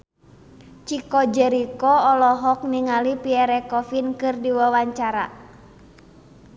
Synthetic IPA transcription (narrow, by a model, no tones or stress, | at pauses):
t͡ʃikɔd͡ʒɛɾikɔɔlɔɦɔk̚niŋalipiɛɾɛkɔfinkɨrdiwawaɲt͡ʃaɾa̰